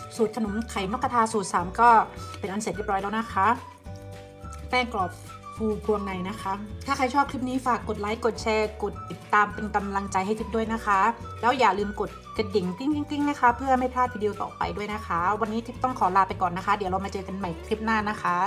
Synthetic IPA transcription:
suː˨˩t̪̚kʰa˧no˨˩˦mkʰa˨˩jnɔ˦˥kʰːa˧t̪ʰaː˧suː˨˩t̪̚saː˩˦mkɔː˥˩pe˧nʔa˧nse˨˩t̪̚ɾi˦˥˩pɾɔː˦˥jlaː˧˩na˦˥kʰa˦˥ | t̪ɛː˥˩ŋklɔː˨˩p̚ | kʰuː˧kʰu˧əŋna˨˩jna˦˥kʰa˦˥t̪ʰaː˥˩kʰjt͡ɕ̚ʰːkʰɾi˦˥p̚niː˦˥faː˨˩kːo˨˩t̪̚laː˦˥jko˨˩t̪̚t͡ɕʰɛː˧ko˨˩t̪̚ːi˨˩t̪ːaː˧mpe˧nka˧mla˧ŋt͡ɕa˧jɦa˥˩kʰi˦˥p̚du˥˩əjna˦˥kʰa˦˥ | lɛː˦˥wjaː˨˩lɯː˧mko˨˩t̪̚ka˨˧˩t̪̚de˨˩˦ŋt͡ɕi˥˩ŋt̪ʰi˥˩ŋt̪i˥˩ŋna˦˥kʰa˦˥pʰɯ˥˩ɐma˥˩jpʰlaː˥˩t̪̚ʰiː˧di˧wt̪ɔ̰ː˨˩pa̰˧jdu˥˩əjna˦˥kʰa˦˥wa˧nːiː˦˥t̪ʰi˥˩t̪ɔ˥˩ŋkʰɔː˩˦laː˧pa˧jkɔː˨˩nːa˦˥kʰa˦˥di˩˦wɾa˧wmaː˧t͡ɕɤː˧ka˧nma˨˩jkʰɾi˦˥p̚naː˥˩na˦˥kʰa˦˥

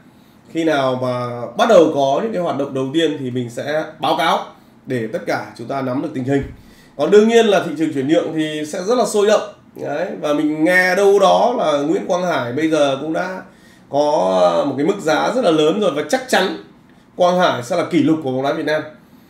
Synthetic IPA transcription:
xi˧naː˨˩wmaː˨˩ɓa˦˥t̚ɗə˨˩wkɔ˨˦ɲɨ̰˧˥ŋkaː˨˦jwaː˨˩t̚ɗə̰˧˨ŋ͡m̚ɗə˨˩wt̪i˧ənt̪ʰi˨˩mï˨˩ŋ̟sɛ̰˧˥ɓaː˨˦wkaː˨˦w | ɗe˧˩t̪ə˦˥t̚kaː˧˩t͡ɕʊ˨˦ŋ͡mt̪aː˧na˨˦mɗɨ˨˩ək̚t̪ŋ̟ɦï˨˩ŋ̟ | kɔ˨˩nɗɨ˧əŋɲi˧ənlaː˨˩ḭ˧˨t͡ɕɨ˨˩əŋt͡ɕwi˧˩ənːɨ̰˧˨əŋt̪ʰi˨˩sɛ̰˧˥zə˦˥t̚laː˨˩so˧jzə̰˧˨wŋ͡m | ʔə˨˦jvaː˨˩mï˨˩ŋ̟ŋɛ˧ɗə˧wɗɔ˨˦laː˨˩ŋwḭ˧˥ənkwaː˧nhaː˧˩jɓə˧jzəː˨˩kʊ̰˧˥ŋ͡mɗa̰ː˧˥ | kɔ˨˦mo˨˩t̚ka˨˦m˦ɨ˦˥k̚zaː˨˦zə˦˥t̚laː˨˩ləː˨˦nzo˨˩jvaː˨˩t͡ɕa˦˥k̚t͡ɕa˨˦n | kwaː˧nhaː˧˩jsɛ̰˧˥laː˨˩ki˧˩lʊ˨˩k͡p̚kːa˨˦wɗaː˨˦vət̚naː˧m

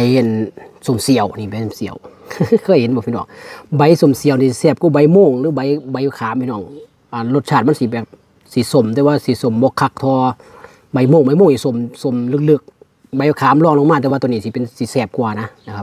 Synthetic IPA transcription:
a˧ja˨nso˨˧˦msi˨əwniː˧˩ba˧˨˦so˧˩˨si˨ə̰˨wkʰɤː˧˥˨jhe˨˦nbɔː˧pʰi˧nɔ̰ː˧˩˨ŋba˨˦jso˧˦msi˧˨ə˦wni˧ssɛː˧˩p̚ku˧˨ba˨˦jmoː˧˨ŋlɯː˨˧˦ba˨˧˦jba˨˦jkʰaː˨˦mpʰiː˧nɔː˧˩˨ŋ | ʔaː˨nlo˧t̪̚t͡ɕʰaː˧t̪̚ma˧˥˨si˧˦bɛː˨˩p̚ | si˧˦so˧˩mt̪ɛː˧˦waː˧˨si˧˦so˧˩mbɔː˧˦kʰa˧k̚t̪ʰɔː˧ | ba˨˧˦jmoː˧˩˨ŋba˧˦jmoː˧˨ŋni˧˨so˧˦mso˧˦mlɯ˧k̚lɯ˧˩k̚ | ba˨˦jkʰaː˨˦mlɔː˧˨ŋlo˧˦ŋmaː˧˩t̪ɛ˧aː˧t̪niː˧˨i˧pe˨nsi˧˦sɛː˧˩p̚ku˧a˨na˧˦na˧˩kʰa˧p̚

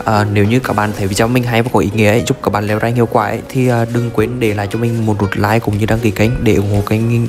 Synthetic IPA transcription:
ʔʔəː˨˩ne˨˦wɲɨ˧kaː˧˩k̚ɓaː˧˨nt̪ʰə˧˩vḭ˨˧˩t͡ɕɔ˧˩˦mï˧ŋɦa˧jvaː˨˦˩kɔ˨˩ʔi˨˦ŋḭ˧˥əʔə˨˦jzʊ˦˥k͡p̚kaː˧˩ɓaː˧˨˩lɛ˨˦wzaː˧ŋi˧˨əkwaː˧˩ʔə̰˧˦jt̪ʰi˨˩ʔəː˨˩ɗɨ˨˧˩ŋkwi˨˦ənɗe˧˩laː˨jt͡ɕɔ˧mï˨˩ŋ̟mo˨˩t̚no˨˩t̚laː˧˨jkʊ̰˧˨ŋ͡mɲɨ˧ɗaː˧ŋki˨˧˩kə˧˦jŋ̟ɗe˧˩ʔʊ˧˩ŋ͡mho̰˧˨kaː˨˦jŋi˧ŋ

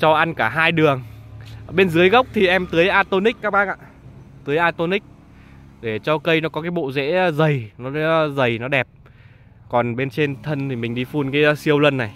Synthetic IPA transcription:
t͡ɕɔ˧ʔa˧nkaː˧˩ɦaː˧jɗɨ˨˩əŋ˩ | ɓe˧nzɨ˨˦əjɣə˦˥wk͡p̚t̪ʰi˨˩ʔɛ˧mt̪ɨ˨˦əjʔaː˧t̪o˧nï˦˥k̚kaː˦˥k̚ɓaː˧˥nʔa̰ː˧˨ | t̪ɨ˨˦əjʔaː˧t̪o˧nï˦˥k̚ | ɗe˧˩t͡ɕɔ˧kə˧jnɔ˨˦kɔ˨˦kaː˨˦jɓo̰˧˨zḛ˧˥˧zə˨˩jnɔ˨˦zə˨˩jnɔ˨˦ɗɛ˨˩p̚ | kɔ˨˩nɓe˧nt͡ɕe˧nt̪ʰə˧nt̪ʰi˨˩mï˨˩ŋ̟ɗi˧fu˧nkaː˨˦jsi˧əwlə˧nːa˨˩j

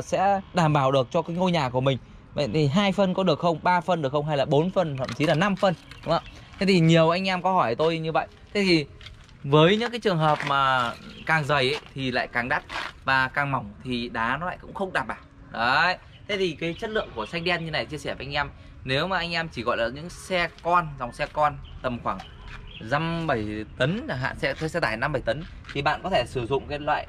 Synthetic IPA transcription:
sɛ̰˧˥ɗaː˧˩mɓaː˧˩wɗɨ˨˩ək̚t͡ɕɔ˧kaː˨˦jŋo˧jɲaː˨˩ku˧˩əmï˨˩ŋ̟ | və̰˧˨jt̪ʰi˨˩ɦaː˧jfə˧nkɔ˨˦ɗɨ˨˩ək̚xə˧wŋ͡mɓaː˧fə˧nɗɨ˨˩əkxə˧wŋ͡mɦa˧jlaː˨˩ɓo˨˦nfə˧nt̪ʰə̰˧˨mt͡ɕi˨˦laː˨˩na˧mfə˧nɗʊ˨˦ŋ͡mʔaː˧˩ | t̪ʰe˨˦t̪ʰi˨˩ɲi˨˩əwʔa˧jŋ̟ʔɛ˧mkɔ˨˦hɔ˧˩jt̪o˧jɲɨ˧və̰˧˨jt̪ʰe˨˦˥t̪ʰi˨˩ | vəː˨˦jɲɨ̰˧˥ŋkaː˨˦jt͡ɕɨ˨˩əŋɦəː˨˩p̚maː˨˩kaː˨˩ŋzə˨˩jʔə˨˦t̪ʰi˨˩la̰ː˧˨jkaː˨˩ŋɗa˦˥t̚vaː˨˩kaː˨˩ŋma˨˧˩wŋ͡mt̪ʰi˨˩ɗaː˨˦nɔ˨˦la̰ː˧˨kʊ̰˧˥ŋ͡mxə˧wŋ͡mɗaː˨˩ɓaː˧˨˩w | ɗə˨˦j | t̪ʰe˨˦t̪ʰi˨˩kaː˨˦jt͡ɕə˦˥t̚lɨ̰˧˨əŋku˧˩əsa˧jŋ̟ɗi˧ɛ˧nɲɨ˧na˨˩t͡ɕi˧əsɛː˧˩və˨˧˦ʔjŋ̟ʔɛ˧m | ne˨˦wmaː˨˩ʔa˧jŋ̟ʔɛ˧mt͡ɕi˧˩ɣɔ̰˧˨jlaː˨˩ɲɨ̰˧˥ŋsɛ˧kɔ˧nza˨˩wŋ͡msɛ˧kɔ˧nt̪ə˨˩mxwaː˧˩ŋ | za˧mɓə˧˩jt̪ə˨˦na˨˩ɦa̰ː˧˨nsɛ̰˧˥t̪ʰə˨˦sɛ˧t̪aː˧˩jna˧mɓə˧˩jt̪ə˨˦n | t̪ʰi˨˩ɓa̰ː˧˨nkɔ˨˦t̪ʰe˧˩sɨ˧˩zʊ̰˧˨ŋ͡mkaː˨˦lwa̰ː˧˨j

